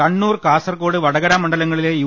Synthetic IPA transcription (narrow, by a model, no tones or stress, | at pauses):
ɐɳːuːrɨkaːsɐrko̞ːɽɨʋɐɽɐɣɐɾamːɐɳɖɐlɐŋːɐɭileju